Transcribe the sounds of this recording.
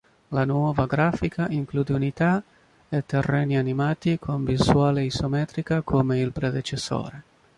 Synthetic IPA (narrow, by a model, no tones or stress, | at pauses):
lanwɔvaɡɾaːfikʰaʔiŋkluːd̪eunit̪a | et̪ːerːɛːnianimaːt̪ikʰomviswaːleisomɛt̪ɾikakʰomeilpɾed̪et͡ʃesːo̰ːɾe